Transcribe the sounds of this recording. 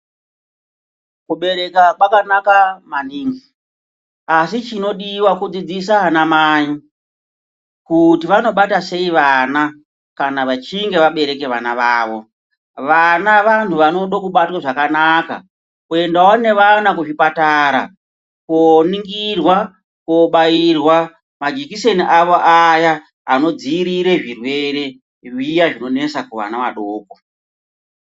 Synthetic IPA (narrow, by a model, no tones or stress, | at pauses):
kuɓe̞ɾe̞kakwakanakamaniːŋɡi | asit͡ʃino̞ɗiwakud͡zid͡zis̬aɦanamaːi | kutiʋano̞ɓatase̞iʋana | kanaʋat͡ʃiŋɡe̞ʋaɓe̞ɾe̞ke̞ʋa̰naʋaːʋo̞ | ʋanaʋan̤uʋano̞ɗokuɓatwaʐakanaka̰ | kue̞ndawane̞ʋanakuʐipataɾa̰ | koniŋɡirwa | koɓairwa | mad͡ʒikise̞niʔaʋo̞ʔajaː | no̞d͡ziːɾiɾe̞ʐirwe̞ɾe̞ | ijaʐino̞ne̞sakuʋa̰naʋaɗoːko